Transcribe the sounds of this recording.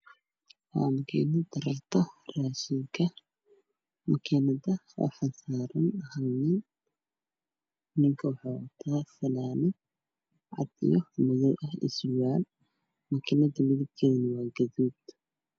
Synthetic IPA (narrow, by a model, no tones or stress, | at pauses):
wa̰ːmɐkʰɛnɐd̪ɐrɐrt̪ʰɐraːʃɪŋkʰɐ | mɐkʰinɐðɐwɐ̰fɐnsaːɾɐnɐhɐnɪn | nɪŋkʰɐwɑħɑːɐt̪ʰaːfɐlaːnɪ | ʕɑ̰d̪ḭjɔmɪðɔːʔɐhɪ̰swaːl | mɐkʰɪnɐðɐmɪðɪb̚k̪ʰɛːnɪwɑːɡɐðuːd̪